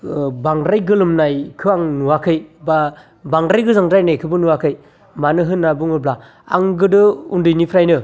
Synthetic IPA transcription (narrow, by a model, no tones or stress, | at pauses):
baŋdɾajɡɯlɯmnajkʰɯaŋnuwakʰɯjba | baŋdɾajɡɯzaŋdajnajkʰɯbɯnuwakʰɯj | manɯɦɯnːabuŋɯbla | a̰ŋɡɯdɯundɯjnipʰɾajnɯ